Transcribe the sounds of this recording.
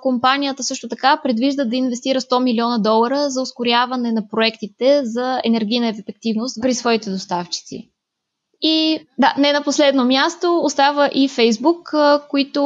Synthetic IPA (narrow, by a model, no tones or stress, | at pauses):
kompanijət̪əsɤʃt̪ʊt̪ɐkapɾɛd̪viʒd̪əd̪ɐinvɛst̪iɾəst̪ɔmilʲiɔnəd̪ɔlˠəɾəzɐoskoɾʲjavɐnɛnɐpɾoɛkt̪it̪ɛzɐɛ̰nɛɾɡʲijnəɛfɛfɛk̚t̪ivnost̪pɾisvɔit̪ɛd̪ost̪aft͡ʃi̥t̪sḭ | id̪anɛnɐposlɛd̪nomʲjast̪oost̪avəʔifɛjzbukkːoit̪o